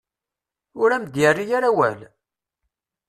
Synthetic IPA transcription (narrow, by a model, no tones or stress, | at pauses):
ʊɾæmd̪jərːijaɾæwæ̰l